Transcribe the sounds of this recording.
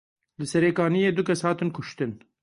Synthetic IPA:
lɨsɛɾeːkɑːnijeːd̪ukʲɛshɑːt̪ɨnkʊʃt̪ɨn

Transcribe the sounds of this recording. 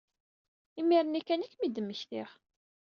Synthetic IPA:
imːiɾənækːænækːmid̪əmːəçθɪʁ

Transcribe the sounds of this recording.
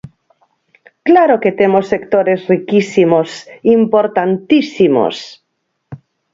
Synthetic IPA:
klaɾoket̪emosekt̪oɾezrikisimosimpoɾt̪ant̪isimo̰s

